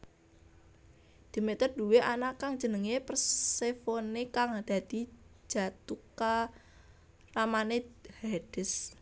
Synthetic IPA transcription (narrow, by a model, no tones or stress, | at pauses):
d̪̥i̤met̪ərd̥̪uweʔanakaŋ̥d͡ʒ̥ə̤nəŋepərsefonekaŋad̪̥ä̤d̪̥i̤̥d͡ʒ̥a̤t̪uka | ramanehɛɖ̥ɪs